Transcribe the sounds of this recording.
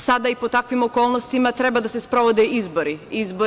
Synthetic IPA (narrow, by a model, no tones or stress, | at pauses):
sad̪aipot̪akvimɔkɔlˠnɔst̪imat̪ɾɛbad̪asɛspɾɔvɔd̪ɛizbɔɾiizbo